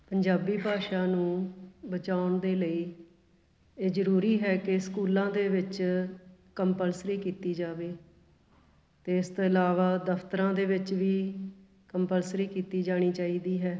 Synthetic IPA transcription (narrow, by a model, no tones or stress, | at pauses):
pəɲd͡ʒaːbiːbʱaːʃaːnũːbət͡ʃaːʊɳd̪eːləiː | eːzəɾuːɾiːɦɛːkeskuːlãːd̪eːʋɪt͡ʃ | kəmpəlsɾiːkiːt̪iːd͡ʒaːʋeː | t̪eːɪst̪oːɪlaːʋaːd̪əft̪əɾãːd̪eːʋɪt͡ʃʋiː | kəmpəlsɾiːkiːt̪iːd͡ʒaːɽ̃iːt͡ʃaːiːd̪iːɦɛː